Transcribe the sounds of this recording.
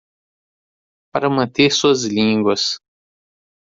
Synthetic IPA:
paɾɐmɐ̃nt̪eɾsuɐzlĩɡwɐs

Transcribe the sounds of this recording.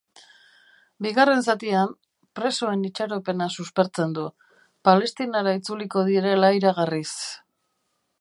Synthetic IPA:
biɣare̞ns̬at̪iam | pɾe̞so̞e̞nit͡ʃaɾo̞pe̞nasuspe̞ɾt͡se̞nd̪u | pale̞st̪inaɾait͡suliko̞ðiɾe̞laiɾaɣ̞aris

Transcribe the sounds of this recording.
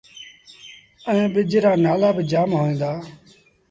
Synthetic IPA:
əẽːɓɪd͡ʒɾaːnaːlaːbɪd͡ʒaːmɦoːẽːnd̪aː

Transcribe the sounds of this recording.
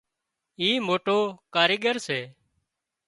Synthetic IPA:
iːmoːʈoːkaːɾiːɠəɾseː

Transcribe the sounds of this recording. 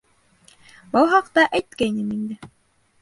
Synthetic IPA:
bɑw̪ˠɦɑqt̪ɑʔæjt̪kæjnɘnind̪ɘ

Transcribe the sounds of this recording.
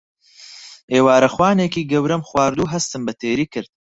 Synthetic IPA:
ʔeːwaːɾɐxwaːneːkiːɡɐwɾɐmxwaːɾd̪uːɦɐst̪ɨmbɐt̪ʰeːɾiːkʰɨɾd̪̚

